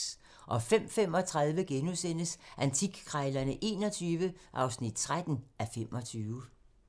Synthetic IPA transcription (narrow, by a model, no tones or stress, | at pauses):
ʔɒ̽fem̰fem̰ɒ̽t͡sʰʁað̞ˠʋəɡ̥enusen̰əsʔænt͡sʰiɡ̥kʰʁaɪlɐnəʔe̝̰ːnɒ̽t͡sʰyːʋəʔɑ̈ʊsnid̥̚t͡sʰʁad̥n̩ʔæfem̰ɒ̽t͡sʰyːʋ